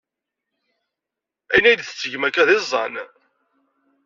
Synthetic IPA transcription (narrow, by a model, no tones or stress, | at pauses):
æjnæjd̪θə̥t͡sːəʝmækːæðɪzˤːɑn